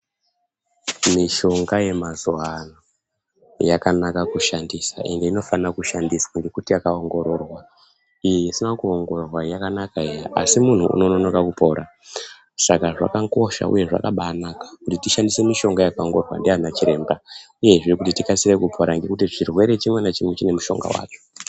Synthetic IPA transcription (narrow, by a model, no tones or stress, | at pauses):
miʃo̞ŋɡaje̞mazoano | jakanakakuʃandisa̰ʔe̞nde̞ino̞fanakuʃandiswaŋɡe̞kutijakao̞ŋɡo̞ɾo̞rwa | ijeisinakuoŋɡorwajakanakaejaʔa̰simun̤uṵno̞nonokakupʰoɾʔa | sakaʐa̰kako̞ʃa̰ʔṵje̞ʐa̰kaɓanakḁkutitiʃandise̞miʃo̞ŋɡajakaoŋɡo̞rwa̰ndianat͡ʃiɾe̞ːmba | uje̞ʐikutitikasiɾekupʰoɾaŋɡe̞kutiʐirwe̞ɾe̞t͡ʃimwenat͡ʃimwet͡ʃine̞muʃo̞̰ŋɡa̰wa̰ːt͡ʂo̥